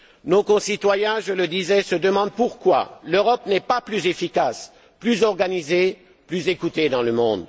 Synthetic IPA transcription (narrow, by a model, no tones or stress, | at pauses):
nokɔ̃sit̪wajɛ̃ʒələd̪izɛsəd̪əmɑ̃d̪̚puʁkwa̰løʁɔpnɛpaplyzefikas | plyzɔʁɡanize | plyzekut̪ed̪ɑ̃ləmɔ̃d̪